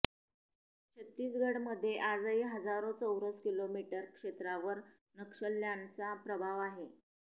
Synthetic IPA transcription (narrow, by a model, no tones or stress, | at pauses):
t͡ɕʰət̪ːiːsɡʱəɽməd̪ʱːjeʔad͡zəiɦəd͡zaɾot͡səwɾət͡skilomiʈəɾkʂet̪ɾaʋəɾ | nəkʂəlːjant͡sapɾəbʱaʋaɦe